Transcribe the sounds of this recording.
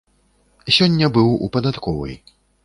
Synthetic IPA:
sʲɔnʲːɐbɨwṵpɐd̪at̪kɔvɐ̰j

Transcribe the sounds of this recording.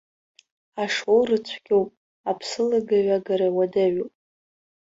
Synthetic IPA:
aʂowrɨt͡ɕʷʰɡʲowpʼ | apʰsɨlaɡaɥaɡaɾawadaɥowpʼ

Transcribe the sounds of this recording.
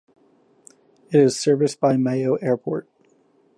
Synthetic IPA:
ɨɾɪz̥sɜ˞vɨsb̥aɪmeɪoʊʔɛɹpʰɔɹt̚

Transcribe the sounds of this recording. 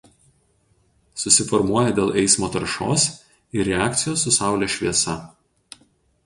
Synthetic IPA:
sʊsʲɪfɔɾmuɔjɛd̪ʲeːlˠʔɛɪsmoːt̪ɐɾʃo̰ːs | iɾʲɛæːkt̪sʲɪjoːsːʊsɑˑʊlʲɛːʃʲʋʲiɛsɐ

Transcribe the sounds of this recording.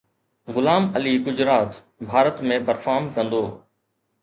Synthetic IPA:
ɣʊlaːməliːɡʊd͡ʑɾaːt̪ | bʱaːɾət̪mẽːbəɾfaːmkə̃nd̪oː

